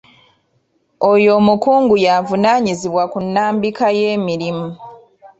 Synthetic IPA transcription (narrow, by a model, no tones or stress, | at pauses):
o̞jo̞ːmukuːŋɡujavunaːɲiziβwakunːaːmbikaje̞ːmiɾimu